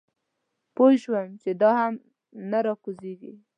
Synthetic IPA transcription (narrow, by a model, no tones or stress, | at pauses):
pojʃwəmt͡ʃed̪ɑham | naɾɑkuzeɡḭ